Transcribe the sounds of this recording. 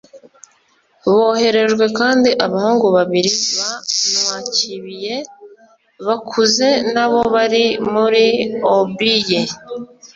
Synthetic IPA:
βo̞ːhe̞ɾe̞ʒɡwe̞kaːndiʔaβahuːŋɡuβaβiɾiβanwaːciβije̞ | βakʰuze̞naβo̞βaɾimuɾiobije

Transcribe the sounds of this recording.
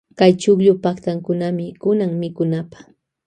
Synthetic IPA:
kajt͡ʃʊkʎʊpakt̪aŋkʊnamɪkʊnaŋmɪkʊnapḁχ

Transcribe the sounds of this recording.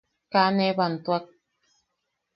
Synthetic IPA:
kaneβant̪uak̚

